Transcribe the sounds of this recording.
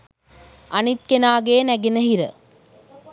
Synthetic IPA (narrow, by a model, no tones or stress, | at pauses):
ʔanit̪̚kenaːɡeːnæɡenəɦiɾə̰